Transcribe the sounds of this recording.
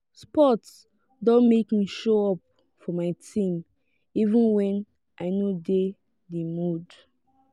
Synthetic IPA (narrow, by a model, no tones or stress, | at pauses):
spɔts | dɔ̃nmekmiʃoɔp̚ | fɔmaɪtʰĩm | ivũnwɛ̃n | ʔaɪnode | demud